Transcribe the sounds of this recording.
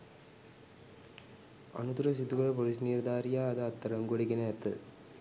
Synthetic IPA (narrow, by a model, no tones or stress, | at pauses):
ɐ̰nut̪uɾɐsit̪ːukɐɾɐp̬ɔɾis̬niːɾd̪aːɾijaːɐðɐɐt̪ːɐɾɐŋɡoɽikːinɐɐt̪ːɯ̰